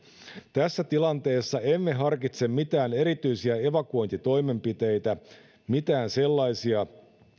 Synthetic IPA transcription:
t̪æsːæt̪ilɑnt̪e̞ːsːɑe̞mːe̞ɦɑrkit̪se̞mmit̪æːne̞ɾit̪yjsiæe̞ʋɑkuo̞jnt̪it̪o̞jme̞mpit̪e̞jt̪æ | mit̪æːnse̞lːɑjsiɑ

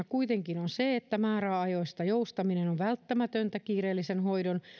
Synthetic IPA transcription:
kuit̪eŋkinonseet̪ːæmæːɾæɑjoist̪ɑjoust̪ɑminenoʋʋælt̪ːæmæt̪ønt̪ækiːreːlːisenhoidon

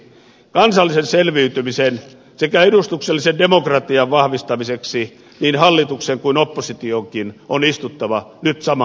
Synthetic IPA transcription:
kɑnsɑlːisenselʋiyt̪ymisen | sekæedust̪ukselːisendemokrɑt̪iɑʋʋɑhʋist̪ɑmiseksi | niːnhɑlːit̪ukseŋkuinopːosit̪ioŋkinonist̪ut̪ːɑʋɑnyt̪sɑmɑ

